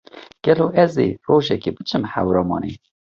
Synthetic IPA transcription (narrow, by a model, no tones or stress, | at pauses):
ɡ̥ɛloːʔɛzḛːroːʒɛkeːbɨt͡ʃʰɨmħæ̰wɾɑːmɑ̰ːneː